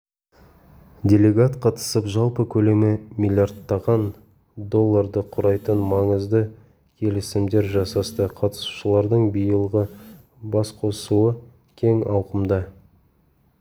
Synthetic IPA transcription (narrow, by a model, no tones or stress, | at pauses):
dʲe̞lʲe̞ɡat̪qʰɑt̪ə̥səpʒɑlˠpəkʲʰɵle̞mɪmʲilʲjard̪ːɑʁɑn | d̪o̞lˠːɑɾd̪əqʰʊɾɑjt̪ənmɑɴəzd̪ə | kʲʰe̞lɪsɪmd̪e̞ɾʒɑsɑst̪əqʰɑt̪ə̥su̥ʃəlˠɑɾd̪əɴbijəlˠʁə | bɑsqʰo̞suə | kʲʰe̞ŋɑwqəmd̪ɑ